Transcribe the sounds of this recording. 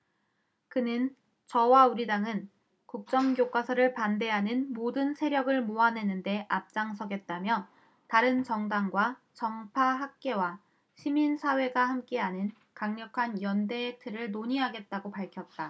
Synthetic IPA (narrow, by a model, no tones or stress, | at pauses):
kɯnɯn | t͡ɕʌwauɾidaŋɯn | kuk̚t͡ɕ͈ʌŋɡjok͈wasʰʌɾɯɭpande̞ɦanɯnmodɯnsʰe̞ɾjʌɡɯɭmoane̞nɯnde̞ʔap̚t͡ɕ͈aŋsʰʌɡe̞t̚t͈amjʌ | taɾɯnt͡ɕʌŋdaŋɡwa | t͡ɕʌŋpʰaɦak̚k͈e̞wa | ɕʰiminsʰawe̞ɡahamk͈e̞aɲɯn | kaŋɲʌkʰanjʌnde̞ːk̚tʰɯɾɯɭnoɲiɦaɡe̞t̚t͈aɡopaɭkʰjʌt̚t͈a